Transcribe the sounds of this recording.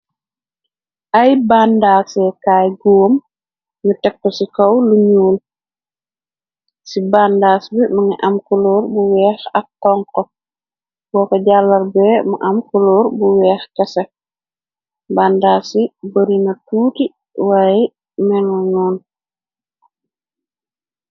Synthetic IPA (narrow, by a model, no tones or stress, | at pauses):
ʔɐjbandaːsɛkaːjɡum | nutɛkːɔsikowluɲuːl | sibaːndaːsbimɐŋiʔɐmkuloːɾbuwɛːxɐkːɔŋkɔ | b̥ɔːkɔɟalːɐɾbɛːmuʔɐmkulɔːɾbuwɛːxkɐsɛ | baːndaːsibɐɾinɐtuːti | waːjɛ | mɛŋɔɲɔːn